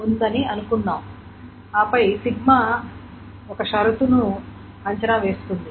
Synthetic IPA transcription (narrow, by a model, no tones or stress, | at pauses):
und̪ɐniɐnukunːaːm | aːpɐjsiɡma | ɔkɐʃɐɾut̪unu | ɐɲt͡ʃɐnɐʋe̞ːst̪und̪i